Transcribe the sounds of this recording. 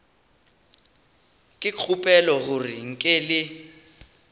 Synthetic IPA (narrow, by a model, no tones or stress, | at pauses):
kʼɪk͡xʰupʼɛlɔɣuriŋ̩kʼɛlɪ